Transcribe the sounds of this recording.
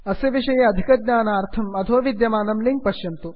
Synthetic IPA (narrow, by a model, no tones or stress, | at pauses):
ɐseːʋiʂɐjeɐd̪ʱikɐd̪̚ɲʲaːnaːɾt̪ʰɐmɐt̪ʰoːʋid̪jɐmaːnɐmliŋk̚pɐɕjɐnt̪oː